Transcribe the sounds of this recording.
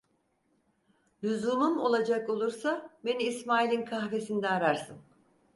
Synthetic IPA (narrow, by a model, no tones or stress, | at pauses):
lʲyzumumo̞̰lˠad͡ʒako̞lˠuɾsabe̞niːsmaːilʲinkʰaxve̞sind̪ɛaɾaɾsɯn